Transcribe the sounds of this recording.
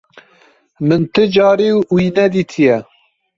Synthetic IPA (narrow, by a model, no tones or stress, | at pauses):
mɨnt̪ʰɨd͡ʒɑːɾiwwiːnɛd̪iːt̪ʰijɛ